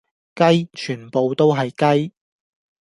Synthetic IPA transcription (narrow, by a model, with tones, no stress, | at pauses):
kɐ˥jt͡ʃʰyː˨˩npo˨wt̪o˥wɦɐ˨jkɐ˥j